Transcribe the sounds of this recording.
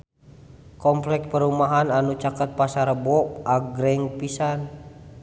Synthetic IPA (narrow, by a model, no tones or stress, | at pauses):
kɔmplɛk̚pəɾumaɦananut͡ʃakət̪̚pasaɾəbɔpaɡɾɛŋpisan